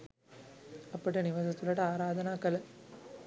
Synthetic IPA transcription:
ɐpːɐʈːɯnɪʋɐsɐt̪ːɯlɐɽɐaːɾaːðɐnaːkɐlɐ

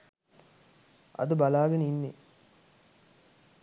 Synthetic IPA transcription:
ʔɐ̰d̪əbalaːɡɐnəinːe

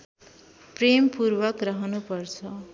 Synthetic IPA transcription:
prempurbʌkrʌɦʌnupʌrt͡sʰʌ

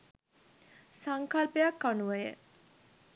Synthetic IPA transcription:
saŋkalpəjakːanuʋəjə̰

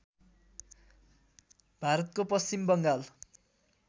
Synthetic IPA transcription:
bʱaɾʌt̪̚kopʌst͡ɕimbʌŋɡal

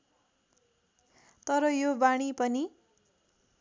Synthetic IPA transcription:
t̪ʌɾʌjobaɽ̃ipʌni

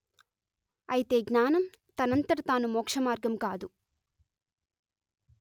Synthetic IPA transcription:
ɐjit̪e̞ːɡnaːnɐm | t̪ɐnɐnt̪ɐɽɐt̪aːnumɔːkʂɐmaːɾɡɐmkaːd̪u

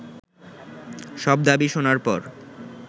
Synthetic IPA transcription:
ʃɔb̚d̪abiʃonaɾpɔ̰ɾ

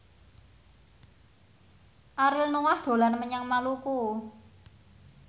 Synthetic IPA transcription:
ʔaɾɪlnuwahd̪̥o̤lanməɲaŋmaluku

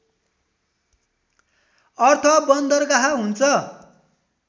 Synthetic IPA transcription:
ʌrt̪ʰʌbʌnd̪ʌrkaɦaɦunt͡sʰʌ

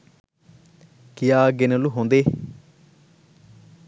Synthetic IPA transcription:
kɪjaːɡenəluɦõːnd̪eː

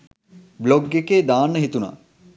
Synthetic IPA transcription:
bloɡːekeːd̪aːnːəɦit̪una̰ː

